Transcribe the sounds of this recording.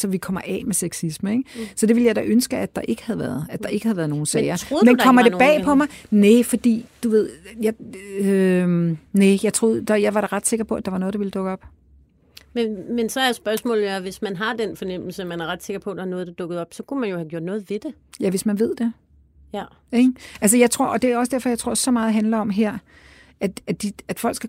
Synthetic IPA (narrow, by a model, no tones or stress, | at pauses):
sɒ̽ʋikʰɒ̽m̰ɐʔɛ̰ːmeseɡ̥sisməeɡ̥sɒ̽d̥e̝ʋi̝ləjɑ̈ɪdæʔønsɡ̥əæd̥ɑ̈ʔe̝ɡ̥ə̥hæð̞ˠʋæɐð̩ˠæd̥ɑ̈ʔe̝ɡ̥hæð̩ˠʋæɐð̩ˠno̝ːn̩sːɪɐoð̩ˠmendkɒ̽mmɐd̥ebɛ̰ːpʰɒ̽mɑ̈ɪnefɒ̽d̥ḭːd̥uʋe̝ð̞̰ˠjɑ̈ø | nejɑ̈ɪt͡sʰʁo̝ðˠd̥ɑjɑ̈ɪʋɑɾ̥ɑ̈ʁɑ̈d̥se̝ɡ̥ɐpʰɒ̽ʔæd̥ɑ̈ʋɑ̈nɔð̩̥ˠɑʋiləd̥ɔ̽ɡ̥ɒ̽b̥ | memensɒjasb̥ɶɐsmɔ̰ːlæʋe̝smænɦɑ̈d̥enfɒ̽nem̰l̩səmænæɐʁɑd̥se̝ɡ̥ɐpʰɒ̽d̥ɑɑnɔ̽ːð̞̩ˠd̥ɑd̥ɔ̽ɡ̥ð̞̩ˠɒ̽b̥sɒ̽kʰumænjo̝hæɡ̥jo̰ɐd̥nɔːð̞̩ˠʋe̝d̥e̝ | jæʋe̝smænʋe̝ð̞̰ˠd̥e̝ | eɡʔælsəjɑ̈ɪt͡sʰʁo̝ɐ̰ʔɒd̥e̝æɒ̽sd̥æɐfɒ̽jɑ̈ɪt͡sʰʁo̝ɐ̰sɒ̽mɑ̈ːð̩ˠɦænlɐɒ̽mɦeɐ̰ | æd̥æd̥iæd̥fɒ̽l̰ɡ̥sɡ̥æ